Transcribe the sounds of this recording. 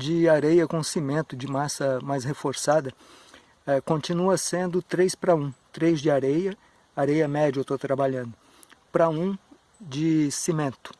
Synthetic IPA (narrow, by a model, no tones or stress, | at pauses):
d͡ʒɪaɾejɐkõsimẽnt̪ʊd͡ʒɪmasɐmajshefoɾsad̪ɐ | ɛkõt͡ʃinuɐsẽnd̪ʊt̪ɾejspɾɐũt̪ɾejzd͡ʒɪaɾejɐ | aɾejɐmɛd͡ʒewt̪ot̪ɾabaʎɐ̃nd̪ʊ | pɾɐũ | d͡ʒɪsimẽnt̪ʊ̥